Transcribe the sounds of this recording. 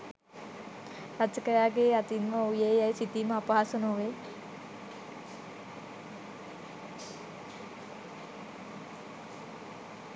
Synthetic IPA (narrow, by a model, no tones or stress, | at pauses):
ɾat͡ʃəkəɾaːɡeːat̪inməujeːjajsit̪iməapaːsunoʋe